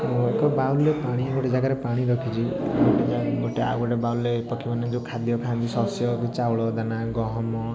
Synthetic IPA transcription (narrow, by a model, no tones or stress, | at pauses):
ekɔbawllepaɽ̃iɡoʈed͡ʒaɡaɾepaɽ̃iɾʌkʰit͡ʃʰiɡoʈed͡ʒaɡoʈea̰ɡoʈebaullepɔkʰimaned͡ʒukʰad̪ijɔkʰãnd̪isɔsjɔkit͡ʃawɭɔd̪anaɡɔɦɔmɔ